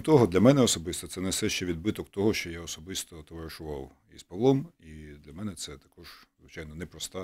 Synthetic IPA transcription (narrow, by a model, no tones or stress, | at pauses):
t̪ɔɦɔd̪lʲɐmɛnɛɔsɔbɪst̪ɔtsɛnɛsɛʃt͡ʃɛʋʲid̪̚bɪt̪ɔkt̪ɔɦɔʃt͡ʃɔjaɔsɔbɪst̪ɔt̪eʋeɾɪʃʊʋɑw | ispɐʋlˠɔmid̪lʲɐmɛnɛt̪sɛt̪ɐkɔʒ̥zʋɪt͡ʃajnɔnɛpɾɔst̪a